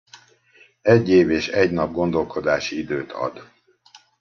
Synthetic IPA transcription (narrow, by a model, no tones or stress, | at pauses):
ɛɟːeːveːʃɛɟnɒb̚ɡo̞nd̪o̞lko̞d̪aːʃiid̪øːt̪ʰɒ̰d̪